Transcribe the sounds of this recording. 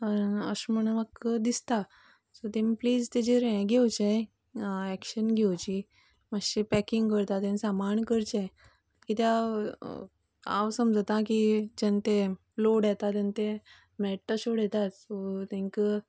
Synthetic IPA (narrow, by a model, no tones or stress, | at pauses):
əə̰ɕməɽ̃əmakːəd̪ist̪a | sot̪emipliːd͡zt̪ed͡ʑeɾɛ̃ɡʱewt͡ɕẽ | ɛkɕənɡʱewt͡ɕi | maɕipɛkĩŋɡkəɾt̪at̪ẽnsamaɳkəɾt͡ɕẽ | kit̪ea | a̰wsəmd͡zət̪ãkid͡ʑɛnt̪e | loɽjɛt̪at̪ent̪e | mɛʈːaɕoɽjɛt̪at̪sot̪ẽŋkə